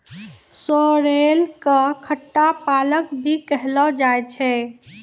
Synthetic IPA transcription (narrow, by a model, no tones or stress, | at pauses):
sɔɾelkəkʰəʈːapaləkbʱikəɦlɔd͡ʒajt͡ʃʰɛ